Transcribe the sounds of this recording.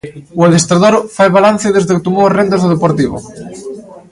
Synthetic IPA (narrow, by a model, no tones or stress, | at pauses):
uaðest̪ɾaðoɾfajβalan̟θeðezðeket̪umoarend̪ezðoðepoɾt̪iβ̞o̰